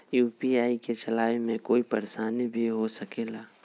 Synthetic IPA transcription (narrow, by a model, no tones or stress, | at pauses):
juːpiaːiket͡ʃɐlaːjemẽkoːipəɾeʃaːnibʱiɦosəkeːlaː